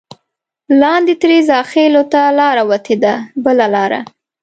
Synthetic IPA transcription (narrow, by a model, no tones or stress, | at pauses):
lɑnd̪et̪ɾezɑxelot̪alɑɾawat̪ʰed̪abəlalɑɾa̰